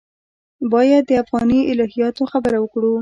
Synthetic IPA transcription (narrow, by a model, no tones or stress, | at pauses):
bɑjad̪̚ːəafɣɑniɪlɑɦijɑt̪oxabəɾawəkɽu